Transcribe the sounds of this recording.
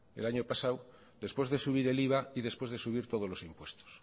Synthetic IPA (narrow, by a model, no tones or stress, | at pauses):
ḛlaɲopasaw | d̪e̞spwe̞zðesuβ̞iɾe̞liβ̞aiðe̞spwe̞zðe̞suβiɾt̪o̞ð̞olo̞simpwe̞st̪o̥s